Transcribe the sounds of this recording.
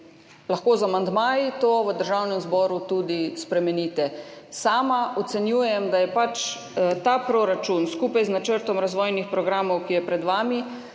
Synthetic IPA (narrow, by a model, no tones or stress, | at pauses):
laxkoːzamand̪maːjit̪oʋəd̪əɾʒawnɛmzbɔːɾut̪uːd̪ispɾɛmɛnit̪ɛsaːmaʔɔt̪sɛnjuːjɛmd̪ajɛpat͡ʃ | t̪aːpɾɔɾat͡ʃunskuːpajznat͡ʃəɾt̪ɔmɾazʋɔːjnixpɾɔɡɾaːmɔwkijɛpɾɛd̪ʋaːmi